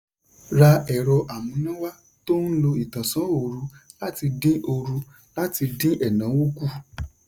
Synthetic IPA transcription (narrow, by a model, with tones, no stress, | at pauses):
ɾa˧ɛ˨ɾɔ˧ʔa˨mũ˨˦nã˦wa˦ | to˦n̩˦lo˧i˨tã˨sã˨˦o˦˨ɾu˨˦la˦ti˧dĩ˦ʔo˧ɾu˧ | la˦ti˧dĩ˦ʔɛ˦˨nã˨˦wu˦ku˦